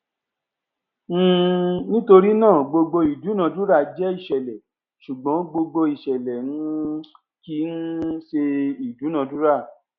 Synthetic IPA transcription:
m̩̃ː˦˧nĩ˦to˧ɾi˦nãː˦˨ɡ͡bo˧ɡ͡bo˧i˨du˨˦nã˧du˦ɾa˦˨d͡ʒɛ˦i˦˨ʃɛ˨lɛ˨ | ʃu˨ɡ͡bɔ̃˨˦ɡ͡bo˧ɡ͡bo˧i˨ʃɛ˨lɛ˨nũ˨˦ | ki˧˦n̩˦ʃe˧i˨du˨˦nã˧du˦ɾa˦˨

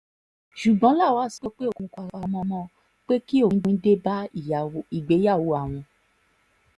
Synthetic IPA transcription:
ʃu˨ɡ͡bɔ̃˨˦la˦˨wa˨˦˨si˨˦k͡pe˦k͡pe˦o˦˨kũ˧ka˨ɾa˧˨˦mɔ̃˧mɔ̃˦ | k͡pe˦ki˦õ˦˨˦de˦ba˦i˨i˨ɡ͡be˨˦ja˦˨wo˨˦a˨w̃ɔ̃˧

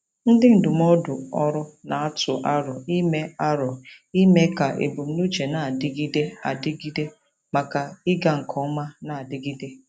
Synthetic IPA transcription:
n̩˦dɪ˦n̩˨dʊ˨m˦ɔ˦dʊ˨ɔ˦ɾʊ˦na˨a˦tʊ˨ʔa˦ɾɔ˨i˦me˦a˦ɾɔ˨ | i˦me˦ka˨ʔḛ˨bu˨m̩˦nu˦t͡ʃe˨na˨a˨dɪ˦ɡi˦de˦a˨dɪ˦ɡi˦de˦ | ma˨ka˨ɪ˦ɡa˨ŋ̩˨kʰɔ˨˦ma˦na˨a˨dɪ˦ɡi˦de˦

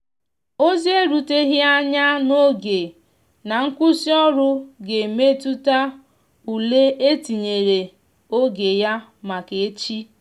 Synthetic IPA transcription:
o˦zi˦e˦ɾu˨te˦ɦi˦a˦ɲa˦no˦ɡe˨ | na˨ŋ̩˦kʷʊ˦si˦ɔ˦ɾʊ˦ɡe˨me˦tu˦ta˦ | u˨le˦ʔe˦ti˨ɲe˨ɾe˨ | o˦ɡe˨ja˦ma˨ke˨e˦t͡ʃi˦

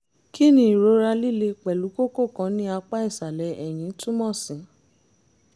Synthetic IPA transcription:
ki˦nĩ˦i˨ɾo˨˦ɾa˧li˦˨le˧k͡pɛ˨lu˨˦ko˦ko˦˨kã˨˧˦nĩ˦a˧k͡pa˦i˦˨sa˨lɛ˨˦ʔɛ˨j̃ĩ˨˦tũ˦mɔ̃˦˨sĩ˨˦

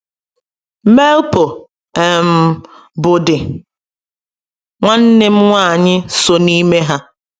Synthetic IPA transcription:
me˦lpo˨ | ɛ˨m̩˨ | bʊ˨dɪ˨ | ŋʷa˦n̩˦nɪ˦m̩˦ŋʷa˦˨ɲɪ˦so˨ni˦me˦ɦa˦

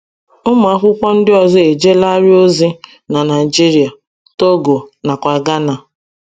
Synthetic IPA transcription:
ʊ˦m˨a˦kʷʊ˦kʷɔ˦n̩˦dɪ˦ɔ˨zɔ˦e˨d͡ʒe˦la˦ɾɪ˦o˦zi˦ | na˨na˨i˨d͡ʒi˦ɾi˨a˨ | to˦ɡo˨na˨kʷa˨ɡa˦na˨

